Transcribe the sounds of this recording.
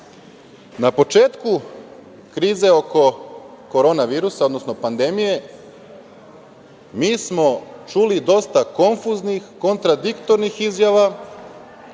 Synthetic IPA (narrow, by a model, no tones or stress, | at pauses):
napo̞t͡ʃe̞ːt̪ku | kɾiːze̞o̞ko̞ | ko̞ɾo̞ːnaʋiːɾusao̞d̪no̞sno̞pand̪e̞mije̞ | miːsmo̞t͡ʃuːlid̪o̞st̪ako̞nfuznixko̞nt̪ɾad̪ikt̪oɾnixizjaʋa